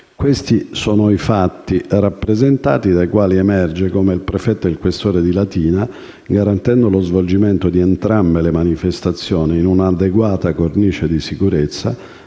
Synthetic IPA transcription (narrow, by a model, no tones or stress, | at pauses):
kwest̪isɔːnoifat̪ːirapːɾezent̪a̰ːt̪id̪ajkwaːliɛmɛrd͡ʒekomeilpɾefɛt̪ːoilkwest̪oːɾed̪ilat̪iːna | ɡaɾant̪ɛnd̪olozvold͡ʒimɛnt̪od̪iɛnt̪ɾambelemanifest̪at̪sːjɔːniːnunad̪eɡwaːt̪akorniːt͡ʃed̪isikuɾet̪sːa